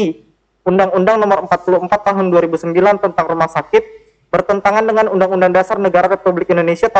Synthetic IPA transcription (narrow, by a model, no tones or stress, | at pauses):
i | undaŋundaŋnɔmʊɾəmpat̪̚puluəmpat̪ːaɦʊnduaɾibusəmbilant̪ənt̪aŋrumahsakɪt̪̚ | bərt̪ənt̪aŋandəŋanundaŋundaŋdasarnəɡaɾarepublɪk̚indonesiat̪a